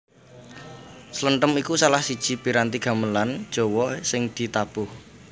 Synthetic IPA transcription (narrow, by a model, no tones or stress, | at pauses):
sələnʈ̪əmikusalahsid̥ʒ̥i̤piɾant̪iɡ̥a̤məland̥ʒ̥o̤wɔsɪŋd̪̥i̤t̪ab̥ʊh